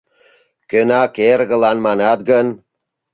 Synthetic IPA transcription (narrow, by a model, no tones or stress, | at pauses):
kønɑkeɾɡə̆lˠɑnmɑnɑd̪̚ɡən